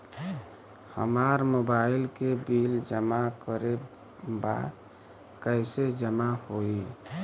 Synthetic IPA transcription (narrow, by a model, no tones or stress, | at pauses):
hə̰maɾmobailkebild͡ʒəmakəɾe | ba̰ | kəɪsed͡ʒəmahoi